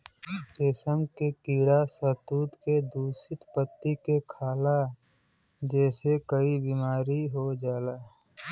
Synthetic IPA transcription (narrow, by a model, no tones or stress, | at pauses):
t̪eːsəmkekiːɽasət̪uːd̪ked̪uːsɪt̪pət̪ːikekʰaːla | d͡ʒɛːsekəibimaːɾiɦod͡ʒaːlaː